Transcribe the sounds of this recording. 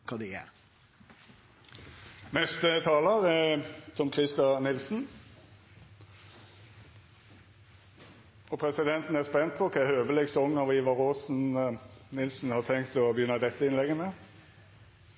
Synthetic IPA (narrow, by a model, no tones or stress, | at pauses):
kʰɑd̪ɛæ̰ | nɛst̪ət̪ʰɑːləʁɛt̪ʰɔmkʰʁɪst̪ɑnɪlsn | ɔpʰɾɛsɪd̪ɛnt̪n̩æspɛnt̪̚pʰɔkʰɑhøːʋəlɛɡsɔŋːɑʋiːʋɑɾosn̩nɪlsn̩hɑʁt̪ʰɛŋkt̪ɔbəjʏnɑd̪ɛt̪ːəɪnlɛɡəmɛ